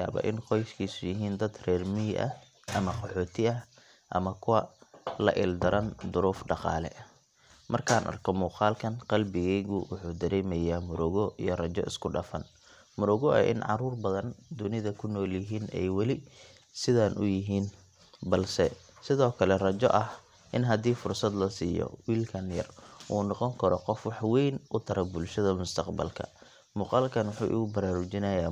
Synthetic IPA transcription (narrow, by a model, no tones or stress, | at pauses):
a̰ːβɐ̰ːʔɪnqɔjʃkʰiːsʊjɪɦiːnd̪ɐd̪rɛːrmɪʔɐ̰ | ʔɐmɐqɑħɔːt̪ʰɪɐ | ʔɐmɐkʰʊwɐlɐ̰ʔɪld̪ɐɾɐnd̪ʊɾuːfɖɑqɑ̰ːlɛ̰ʔ | mʔɐrkʰaːnʔɐ̰rkʰɔmuːqɑːlkʰɐnqɑlbɪɣɛjɣʊwʊħuːd̪ɐɾɛːmɛjaːmʊɾɔɣɔʔijɞrɐt͡ʃɔ̰ɪ̰skʰʊɖɑfɐn | mʊɾɔɣɔɐ̰ʔɪ̰nʕɑ̰ruːrbɐðɐnd̪ʊnɪðɐkʰʊnɔːljɪɦiːnʔɛ̰jwɑlɪ | sɪðaːnʔʊjɪɦiːn | bɐlsɛ | sɪðɔːkʰɐlɛrɐt͡ʃɔ̰ʔɐh | ʔɪnɦɐd̪iːfʊrsɐd̪lɐsiːjɔ̰wiːlkʰɐnjɐ̰rʔuːnɔqɔŋkʰɐɾɔqɔfwɑħwɛjnʔʊt̪ʰɐɾɐbʊlʃɐðɐmʊst̪ʰɐqbɐ̰lkʰɐ̰ | mʊːqɑːlkʰɐnwʊħṵːʔɪ̰ɣʊbɐɾaːɾʊt͡ʃɪnɐjaː